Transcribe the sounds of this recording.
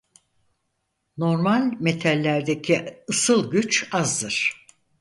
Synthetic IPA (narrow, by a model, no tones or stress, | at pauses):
no̞ɾmalʲme̞t̪ʰælʲːæɾd̪ecʰiɯsɯlˠɟyt͡ʃazd̪ɯɾ̥